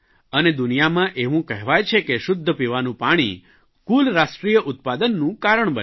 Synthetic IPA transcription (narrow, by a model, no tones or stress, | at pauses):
əned̪ʊnijamãʔeʋũkɛɦɛʋajt͡ʃʰekeʃʊd̪ʱːəpiʋanũpaɽ̃ḭ | kulɾaʃʈɾijəʔʊt̪̚pad̪ənːũkaɾəɳ̃bə